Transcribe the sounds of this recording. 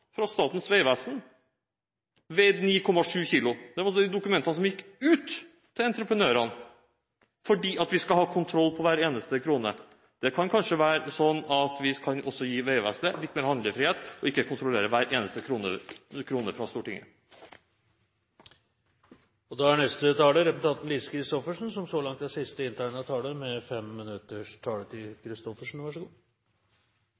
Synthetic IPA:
fɾɑst̪ɑːt̪n̩sʋeɪʋæsn | ʋɛd̪niːkʰɔmːɑʂʉːçiːlʊd̪̥ɛʋɑɾd̪ɛd̪ʊkʉmɛnt̪əɑnəsɔmjɪkːʉːt̪ʰː | ɪlɛnt̪ɾəpʰɾənøːɾɑn | fɔɖiːʔɑt̪ʋɪskɑlhɑːkʰʊnt̪ʰɾɔlːpʰɔʋæːɾeːnəst̪əkʰɾuːnə̰ | d̪̥ɛkʰɑnkʰɑnʂəʋæːɾsɔnːɑt̪ʰʋɪkʰɑnʔɔsːɔjiːʋeɪʋæ̰ːsd̪əlɪt̪ːmeːɾhɑnd̪əfɾiheːt̪ɔɪkːəkʰʊnt̪ɾʊleːɾəʋæːɾeːnəst̪əkʰɾuːnəkʰɾuːnəfɾɑst̪uːʈɪŋə̰ | ɔd̪ɑæɳnɛst̪ət̪ɑːləɾɛpʊt̪ɑnt̪n̩liːsəkʰɾɪst̪ɔfəʂn̩sɔmsɔlɑŋt̪̚d̪ɛsɪst̪əɪnt̪ʰæːɳəɑt̪ʰɑːləmɛfɛmːɪnʉt̪ːəʂt̪ʰɑːlət̪ʰɪlkʰɾɪst̪ɔfəʂɳn̩ʋɑʂəɡuː

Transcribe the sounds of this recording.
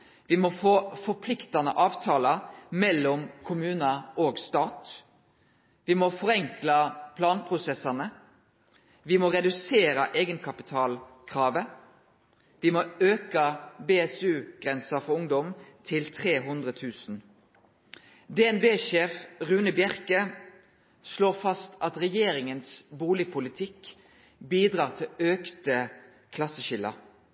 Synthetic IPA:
ʋimɔfoːfɔʁpʰlɪkt̪ɑnəʔɑːʋt̪ʰɑːlɑmɛlːɔmkʰʊmʉːnəoːɡst̪ɑːt̪ | ʋɪmɔfɔʁɛŋklɑpʰlɑːnpʰʁʊsɛsɑnə | ʋɪmɔʁɛd̪ʉseːɾəʔeːɡənkʰɑpɪt̪ʰɑːlkʰʁɑːʋə | ʋɪmɔøːkəbeːɛsʉːɡ̥ʁɛnsəfɔʊŋd̪ɔmt̪ʰɪlt̪ʰʁeːɦʊnd̪ʁət̪ʰʉːsn̩ | d̪ɛːɛnbeːʃeːfʁʉːnəbjæʁkə | sloːʁfɑst̪ʰʔɑt̪ʁɛjeːɾɪŋənsbuːlɪpʰʊlɪt̪ʰɪk | biːd̪ʁɑːʁt̪ʰɪløːkt̪ə | kʰlɑsəʃɪlːə̰

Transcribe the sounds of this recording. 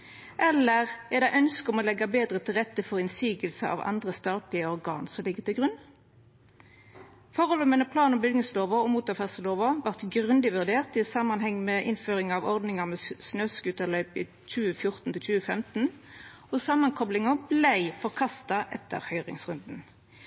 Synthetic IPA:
ʔɛlːəʁæʁd̪æɪʔœnskɔmɔlɛɡɑbeːd̪ʁət̪ʰɪlʁɛt̪ːəfɔʁɪnsiːɡəlsəʔɑ̰ʋɑ̰nd̪ʁəst̪ɑːt̪lɪəɔʁɡɑ̰ːnsɔmlɪɡːət̪ʰɪlɡʁʉnː | fɔʁɔlɔmənəpʰlɑːnɔmbʏɡ̪nɪsloːʋəɔmuːt̪ɑfæʁsəloːʋɑʋɑʁt̪ɡʁʉnd̪ɪʋʉʁd̪eːʁt̪ɪsɑmɑnɦɛŋːmɛːʔɪnføːʁɪŋɑʋɔʁd̪nɪŋɑʁmɛsnøːskʉːt̪ɑlœʏpɪ | t͡ʃʉːəfjʊʁt̪nt̪ʰɪlt͡ʃʉːəfɛmt̪n̩ | ɔsɑmːɑnkʰɔplɪŋɑblæɪfɔʁkʰɑst̪ɑʔɛt̪ːə̰ʁhœʏʁɪ̰ŋsʁʉnd̪n̩

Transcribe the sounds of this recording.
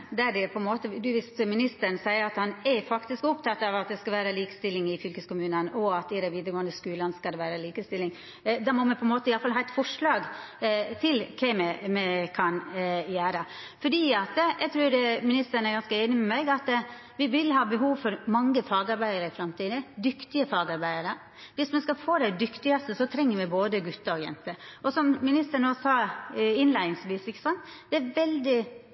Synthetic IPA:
d̪æɖɛpʰɔɛnmoːt̪əd̪ʉʋɪst̪mɪnɪst̪ən̩sæɪəɾɑt̪hɑnɛfɑkt̪ɪskʊpt̪ʰɑt̪ːɑʋɑt̪̚d̪ɛskɑʋæːɾəliːkə̥st̪ɪlːɪŋɪfʏlkəskʊmʉːnənɔɑt̪ɪd̪æɛʋiːd̪əɾɡoːənd̪əskʉːlɑnskɑd̪ɛʋæːɾəliːkəst̪ɪlːɪŋ | d̪ɑmɔmɛpʰɔɛnmoːt̪əɪɑlfɑlhɑːɛt̪fɔʂɭɑːɡ | t̪ʰɪlkʰɛmɛmɛkʰɑnjæːɾə | fɔɖiːɑt̪jʔɛɡ̚t̪ʰɾʉːdɛmɪnɪst̪əɳ̩æɾɡɑnskəeːnɪmɛmæɪɡɑt̪ | ʋɪʋɪlɦɑːbəɦuːʋfɔɾmɑŋːəfɑːɡɑɾbæɪəɾəɪfɾɑmt̪iːd̪əd̪ʏkt̪ɪəfɑːɡɑɾbæɪəɾə | ʋɪsmɛnskɑfoːd̪æɪd̪ʏkt̪ɪɡɑst̪əsɔt̪ʰɾɛŋːəɾmɛboːd̪əɡʉt̪ːəɾɔjɛ̰nt̪əɔsɔmmɪnɪst̪əɳoːsɑːɪnlæɪnɪŋsʋiːsɪkːə̥sɔnːd̪ɛæɾʋɛld̪ɪ

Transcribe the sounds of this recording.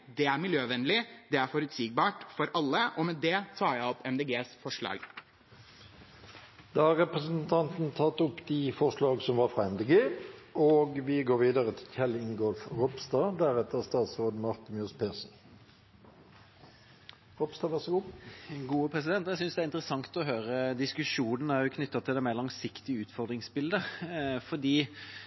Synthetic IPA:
d̪ɛæɾmɪljøːʋɛnlɪd̪ɛæɾfɔɾʉt̪siːɡ̚bɑːʈfɔɾɑlːəʔɔmɛd̪ɛt̪ʰɑːjæɪɔpʰɛmd̪eːɡeːsfɔʂɭɑ̰ːɡ | d̪̥ɑhɑʁɛpʁəsnt̪ʰɑnt̪n̩t̪ʰɑt̪ʊpːd̪ifɔʁʂlɑːɡsɔmʋɑːfʁɑɛmd̪eːɡeːoːɡʋɪɡoːʁɾʋiːd̪əʁət̪ʰɪlçɛlɪŋɡɔlfʁɔpst̪ɑːd̪æɾɛt̪əst̪ɑːt̪sʁoːd̪əmɑʁt̪əmjœspʰeːsn̩ | ʁɔpst̪ɑːʋæʁsəɡuːɡuːəpʰɾɛsɪd̪ɛnt̪jæsʏnsd̪ɛæɾɪnt̪ɾəsɑŋt̪ɔɦøːɾəd̪ɪskʉʂuːnən̩æɾjʊkʰnʏt̪ːɑt̪ʰɪld̪ɛːmeːlɑŋsɪkt̪ɪʉːt̪fɔʁd̪ɾɪŋsbɪld̪əfɔd̪iː

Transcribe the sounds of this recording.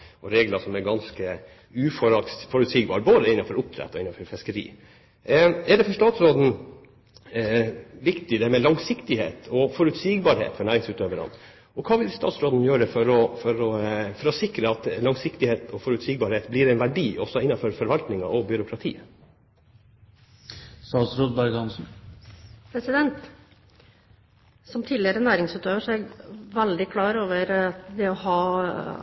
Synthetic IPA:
ɔɾeːɡləsɔmæɾɡɑnskə | ʉːfɔɾɑfɔɾʉt̪siːɡbɑ̰ːɾboːd̪əɪnːɑfɔɾʊp̚t̪ʰɾɛ̰t̪ːɔɪnːɑfɔɾfɛskəɾḭː | ɛɖɛfɔʂt̪ɑːt̪sɾoːd̪n̩ | ʋɪkt̪ɪd̪ɛmɛlɑŋsɪkt̪ɪhḛːt̪ʰɔfɔɾʉt̪siːɡbɑɾhḛːt̪fɔɳæːɾɪŋsʉːt̪øːʋəɾɑ̰n | ɔkʰɑːʋɪlst̪ɑ̰ːt̪sɾoːd̪n̩jøːɾəfɔɾɔfɔɾɔfɔɾɔsɪkɾəɑt̪lɑŋsɪkt̪ɪheːt̪ɔfɔɾʉt̪siːɡ̚bɑɾheːt̪blɪɾɛnʋæɖiːʔɔsɔɪnːɑnfɔɾfɔɾʋɑlt̪nɪŋɑ̰ʔɔbʏɾʊkʰɾɑt̪ʰḭː | sɑːsɾud̪̚bæɾɡɑnsn̩ | pʰɾɛsɪd̪ɛnt̪ | sɔmt̪ʰiːd̪lɪəɾənæːɾɪŋsʉt̪øːʋəʂɔæɡʋɛld̪ɪkʰlɑːɾoːʋəɾd̪ɛɔhɑː

